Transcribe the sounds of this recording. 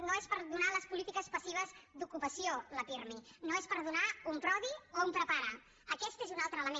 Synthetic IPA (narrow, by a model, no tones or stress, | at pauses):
noespəɾðunaləspulit̪ikəspəsiβ̞əzd̪ukupəsioləpiɾminoespəɾðunaumpɾɔðioumpɾəpaɾə | əkɛst̪ezunalˠt̪ɾəːləme